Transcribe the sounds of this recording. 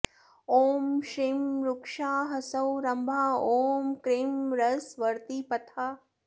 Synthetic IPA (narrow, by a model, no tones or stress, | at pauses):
oːmʃɾimɾukʂaːɦɐsɐwɾɐmbʱaːoːmkɾimɾɐsʋɐɾt̪ipɐt̪ʰaː